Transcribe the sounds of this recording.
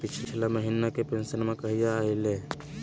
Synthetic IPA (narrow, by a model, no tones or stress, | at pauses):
pɪt͡ʃʰt͡ʃʰlaməɦinakepẽnsənmẽkɐɦijaːile